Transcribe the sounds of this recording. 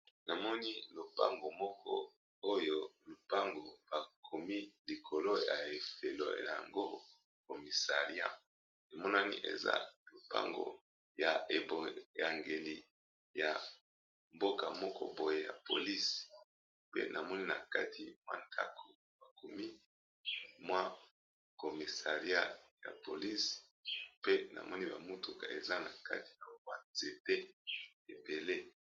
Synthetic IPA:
na˨mɔ˦ni˦lo˨pa˦ŋɡo˨mɔ˦kʰɔ̰˦ | o˦jo˦lu˨pa˦ŋɡo˨b̥a˨kʰo˨mi˦li˨kʰo˨lo˦ja̰˨e˨fe˨lo̰˦a̰˨ja̰˨ŋɡo˦ | ko˨mi˨sa˨ʁi˦a̰˦ | e˨mɔ˦na˦nḭ˦ʔḛ˨za̰˦lo˨pa̰˦ŋɡo̰˨ | ja˨e˨bo˨ja˨ŋɡe˨li˨ | ja˨ | mbo˦ka˨mɔ˦kɔ̰˦bo˨je˨ja̰˨po˨li˦s | pḛ˦nʔa˨mɔ˦ni˦na˨ka˦tʰḭ˨mwa̰˦ntʰa̰˦kʰo˨ | ba˨ko˨mi˦ | mwa˦ | ko˨mi˨sa˨ʁja˦ja̰˨po˨li˦s | pe˦nʔa̰˨mʔɔ˦ni˦ba˨mu˦tu˨ka̰˨e˨za˦na˨ka̰˦ti̥˨na˨˦a˨ze˨te˦e˨be˨le˦

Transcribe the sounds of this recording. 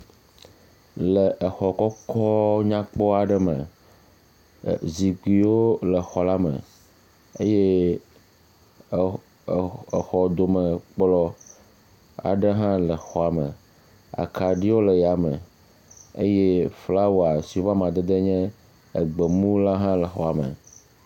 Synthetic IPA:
lə˨ʔə˨xɔ˨kɔ˦kʰɔ˦ɲã˦k͡pɔ˦a˨ɖə˦mə̰̃˨ | zi˨ki˨wo˦lə˨xɔ˨la˦mə̰̃˨ | e˦jɛ˦˨ | xɔ˨d̪o˨mə̃˨k͡plɔ˦ | a̰˨ɖə˦ɦã˦lə˨xɔ˨a˨mə̰̃˨ | a̰˨kʰa˨ɖi˦wo˦lə˨ja˨mə̰˨ | e˦jɛ˦fla˦wo˨a˨si˨o˦va˦mã˨d̪e˦d̪e˦ɲɛ̃˦ | e˨ɡ͡be˨mũ˦la˦ɦã˦lə˨xɔ˨a˨mə̰˨

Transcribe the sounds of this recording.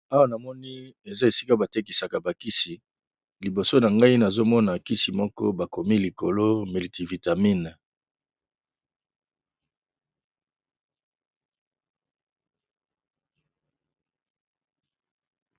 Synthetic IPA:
a˦wa˦na˨mɔ˦ni˦e˨za˦e˨si˦ka˦ba˨te˦k̬i˨sa˨ka˨ba˨ki˦si˨ | li˨bo˨so˦na˨ŋɡa˦i˦na˨zo˦mɔ˦na˨ki˦si˨mɔ˦kɔ̰˦ba˨ko˨mi˦li˨ko˨lo˦me˨li˨ti˨vi˨ta˨mi˦na˨

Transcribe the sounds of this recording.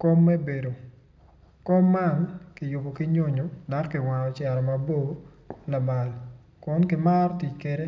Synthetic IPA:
ko˦mːe˦be˨do˨ | ko˦mːa˦nkɪ˨jʊ˨bo˨kɪ˦ɲo˦ɲo˨da˦kkɪ˨wa˨nɔ˨t͡ʃɛ˨ɾɔ˨mabo˦ | la˨ma˨l | kʊ˦nkɪ˦ma˦rti˨t͡ʃke˦ɾe˦

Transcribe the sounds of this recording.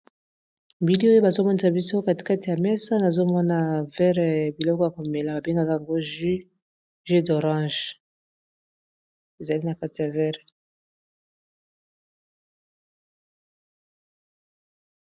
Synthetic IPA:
bi˨li˦o˦jo˦ba˨zo˦mɔ˦ni˨s̬a˨bi˦so˦ka˦ti̥˨ka˦ti˨ja˨mɛ˦sa˦na˨zo˦mɔ˦na˨vɛ˦ʁɛ˨bi˨lɔ˦kɔ˦ja˨ko˨me˨la˨ba˨be˦ŋɡa˦ka˦a˨ŋɡo˦ʒ | ʒe˦do˨ʁɑ̃˦ʒ | e˨za˨li˦na˨ka˦ti˨ja˨vɛ˦ʁ

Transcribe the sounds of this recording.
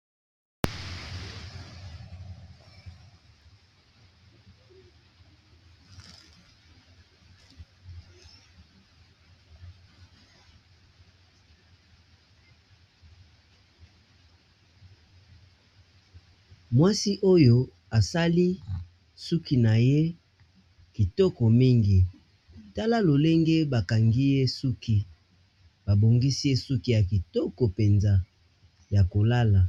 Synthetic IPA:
mwa˦si˦ʔo˦jo˦ | a˨sa˦li˦ | su˦ki˨na˨je˦ | ki˨tɔ˦kɔ˨mi˦ŋɡi˨ | ta˦la˦lo˨le˦ŋɡe˦ba˨ka˨ŋɡi˦je˦su˦ki˦ | ba˨bo˨ŋɡi˦si˦je˦su˦ki˦ja˨ki˨tɔ˦kɔ˨pe˨nza˦ | ja˨ko˨la˦la˨

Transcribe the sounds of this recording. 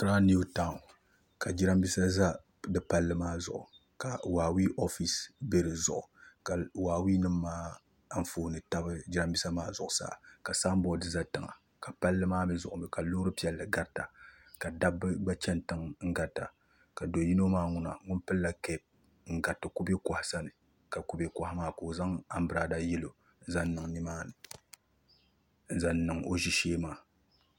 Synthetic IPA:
kɨ˦ɾa˦ni˦u˦taː˦˨ŋʊ˨ | ka˨d͡ʒi˦ɾa˦mbi˦sa˦za˦ | dɨ˦pa˦lːɨ˦maː˦zʊ̰˨ʔʊ̰˨ | ka˨waː˨wi˦ʔo˦fi˨sbe˦ɾɨ˨zʊ̰˨ʔʊ˨ka˨waː˨wi˦nɨ˦mːaː˦ | ɱ̩˦foː˨nɨ˨ta˦bɨ˦d͡ʒi˦ɾa˦mbi˦sa˦maː˦zʊ˨ʔʊ˨sa̰ː˦˨ka˨saː˦m˦bɔ˦dɨ˨za˦tɨ˨ŋa̰˨ | ka˨pa˦lːɨ˦maː˦mɛ˦zʊ˨ʔʊ˨mɛ˨ka˨loː˦ɾɨ˦pi˦ɛ˨lːɨ˨ɡa˦ɾta˨ | ka˨da˦bɨ˦ɡ͡ba˦t͡ʃɛ˦ntɨ˦ŋŋ̩˦ɡa˨ta̰˨ | ka˨do˨ji˦no˦maː˦ŋʊ˨na̰˨ŋʊ˦npɨ˦lːa˦kɛ˦˨b̚ | ŋ̩˦ɡa˨tɨ˨ku˦be˦ka˨hɪ˨sa˦nɨ˨ | ka˨ku˦be˦ka˨ha˦maː˦˨ko˨za˦ŋa˦m˦bɨ˦ɾa˨da˦jɛ˦lo˨ | n̩˦za˦n˦nɨ˨ŋni˦maː˦nɨ˨ | n̩˦za˦nnːɨ˨ŋo˦ʒi˦ʃeː˦maː˦˨

